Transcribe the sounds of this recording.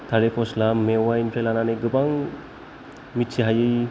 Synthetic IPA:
t̪ʰaɾepɔslamːewainpʰɾelananɯɡɯbaŋ | mitt͡ʃʰiɦajɯj

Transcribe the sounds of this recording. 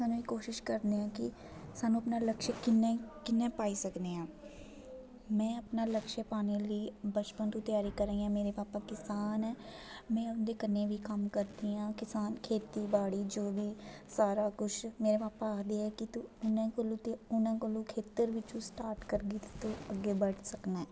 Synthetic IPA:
saːnũːiːkoːʃɪʃkəɾneːãːkɪ | saːnũːəpnaːləkʃəkɪnẽkɪnːɛ̃ːpaːiːsəkneːãː | mɛ̃ːəpnaːləkʃeːpaːneːliːbət͡ʃpənt̪ũːt̪jaːɾiːkəɾẽːãːmeːɾeːpaːpaːkɪsaːnɛː | mɛ̃ːʊnd̪eːkənːeːʋiːkəmkəɾd̪iːãːkɪsaːnkʰeːt̪iːbaːɽiːd͡ʒoːʋiːsaːɾaːkʊʃmeːɾeːpaːpaːkd̪eːɛːkɪt̪ʊnãːkolõːt̪eʊnãːkolõːkʰeːt̪əɾʋɪt͡ʃũːsʈaːɾʈkəɾɡiːt̪t̪õːəɡːeːbəʈsəknaːɛː

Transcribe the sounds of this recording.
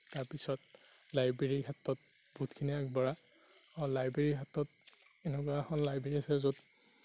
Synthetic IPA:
taɹpisɔt̚lajbɹeɹiɦatɔt̚ | bʱutkʰiniakbɔɹa | ɔlajbɹeɹiɦatɔt̚ | ɛnɛkwaxɔnlajbeɹiasɛzod

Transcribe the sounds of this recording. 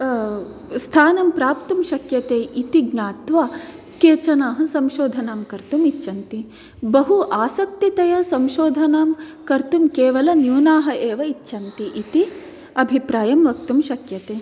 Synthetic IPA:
st̪ʰaːnɐmpɾaːp̚t̪umʃɐkjɐt̪eːʔit̪iɡnaːt̪ʋa | keːt͡ʃɐnaːɦɐsɐmʃoːd̪ʱɐnaːmkɐɾt̪umitːʃɐnt̪i | bɐɦuʔaːsɐk̚t̪it̪ɐjɐsɐmʃoːd̪ʱɐnaːmkɐɾt̪umkeːʋɐlɐnjuːnaːɦɐʔeːʋɐitːʃʰɐnt̪iʔit̪i | ɐbʱipɾaːjɐmʋɐk̚t̪umʃɐkjɐt̪eː

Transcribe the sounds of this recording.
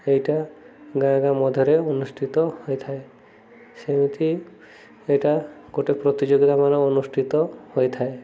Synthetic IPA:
ejʈaɡãɡamɔd̪ʱjɔɾeonusʈʰit̪ɔhoet̪ʰae | semit̪ʰi | eʈaɡoʈepɾɔt̪id͡ʒoɡit̪amanɔonusʈʰit̪ɔhoet̪ʰae

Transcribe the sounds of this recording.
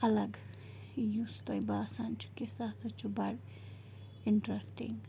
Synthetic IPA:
ɐlɐɡ | just̪ojbasant͡ʃʰu̥kesasɐt͡ʃʰubɐɾ | iɳʈɾesʈḭŋ

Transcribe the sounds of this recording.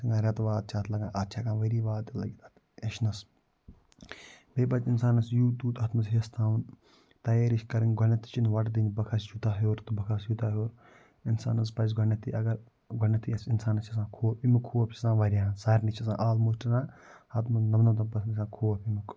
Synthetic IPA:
sɐŋɡaːɾʲɐt̪ʋaːt̪̚t͡ʃʰaːt̪ʰlɐɡãːʔɐt͡ʃʰaːkãːʋɐɾiːʋaːt̪ɐlɐ̰ɡit̪ɐt̪ | ɐʃnɐs | beːbɐt̪insaːnɐsjuːd̪uːt̪ɐt̪ʰmɐsɦest̪ʰaːʋn | t̪ɐjeːɾiʃkɐɾiŋɡʱɔnɐt̪ʰːi̥t͡ʃʰinʋɐʈd̪inbɐkʰɐsd͡ʒut̪aːɦoːɾt̪ubɐkʰasjut̪aːɦjoːɾ | insa̰ːnɐs̬pɐs̬ɡʱɔnɐt̪ʰːiʔɐɡɐɾ | ɡʱɔnɐt̪ʰiɐsinsaːnɐst͡ʃʰɐs̬ãːkʰoːɐpimukʰːuːɐpʲt͡ʃʰisãːʋɐɾʲjãːsaːɾnit͡ʃʰɐsã̰ːʔaːlmoːsʈisãːhɐt̪ʰmɐsnɐmnɐt̪̬ɐpɐsnɐsãːkʰoːwɐpimuk

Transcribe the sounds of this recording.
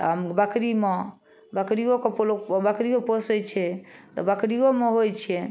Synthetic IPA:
ɦəmbəkɾime | bəkɾiokepolobəkɾioposəjt͡ʃʰɛt̪ɔ̰bəkɾiomeɦojt͡ʃʰɛ

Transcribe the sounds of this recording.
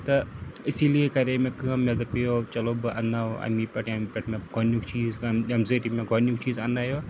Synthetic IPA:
t̪ɐɪsiːliekɐɾemẽkɨmed̪ɐpejoːt͡ʃɐloːbɨʔɐ̰naɐ̰miːpʲɐʈɐmipʲɐʈʰmẽɡonuːkt͡ʃiːzemzeːʈimẽɡonjuk̚t͡ʃiːzɐnaːjoː

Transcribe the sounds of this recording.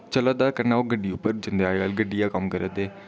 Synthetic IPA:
t͡ʃələd̪aːkəɾnaːoːɡəɖiːʊpːəɾd͡ʒɪnd̪eaːeːɡaːlɡəɖijaːkəmkəɾəd̪eː

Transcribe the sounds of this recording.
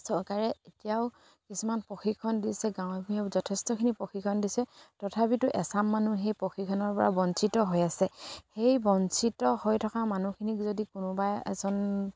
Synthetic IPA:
sɔɹkaɹɛetijaʊ | kisumanpoxikʰːɔndisɛɡaw̃biɛzɔtʰɛstɔkʰinipoxʰikʰɔndisɛtɔtʰapitʊʔɛsamːanuɦejpɹoxikʰɔnɔɹpɔɹa̰bɔnsitɔɦɔjasɛhejbɔnsitɔhojtʰɔkamanukʰinikzodikʊnʊbajɛ̰zɔn

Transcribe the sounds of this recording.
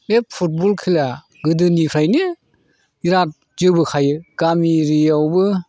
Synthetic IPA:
ep̚pʰut̚bɔlkʰila | ɡɯdɯnikʰɾajnɯ | iɾat̚ | zɯbɯkʰajɯɡ̥amiɾiawbɯ

